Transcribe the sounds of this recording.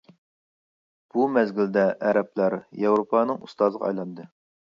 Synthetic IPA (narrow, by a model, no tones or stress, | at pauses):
b̥umɛzɡʲild̪ɛʔɛɾɛplæɾjewɾopʰɑnɨŋṵst̪ɑzəʁɑ̰ɑ̰jlˠɑnd̪ɨ